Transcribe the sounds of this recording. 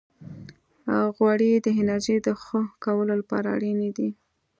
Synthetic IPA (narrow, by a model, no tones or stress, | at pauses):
ɣwaɽid̪əɦɪnaɾʒed̪əxoxkawəlolapɑ̰ɾa̰ɽined̪i